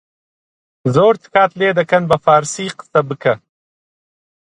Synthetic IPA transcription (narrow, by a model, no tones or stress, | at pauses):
zoːɾt̪ʰkaːt̪leːd̪ɐkɐnbɐfaːɾsiːqə̥sɐbɨkʰɐ